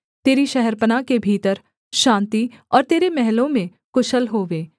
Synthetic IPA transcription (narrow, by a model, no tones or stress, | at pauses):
t̪eːɾiʃɛɦɛɾpənakebʱiːt̪əɾ | ʃãːnt̪iɔːɾt̪eːɾemɛɦlõmẽ | kʊʃəlɦoːʋeː